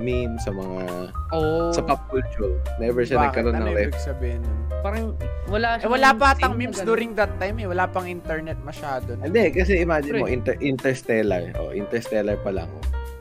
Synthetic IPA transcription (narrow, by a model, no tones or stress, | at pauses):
mimsɐmɐŋa | osɐpɐp̚kut͡ʃɔlnɛbɛɹʃɐɐkːɐlonːɐŋɾɛɪɡsɐbehɪnpaɾɐŋwɐlaɛwɐlaːpat̪ɐŋmĩmsd̪uːɾɪŋd̪ɐt̪ːajmɛwɐlaːpɐŋʔint̪ɛɹnɛt̪̚mɐʃaːd̪onɛnd̪ɛkɐs̬ɛʔɪmaːd͡ʒɪnmoʔint̪ɛɹʔint̪ɛɹst̪ɛlɐɹʔo̰ʔḭnt̪ɛɹst̪ɛlɐɹpɐlɐ̰ŋʔo̰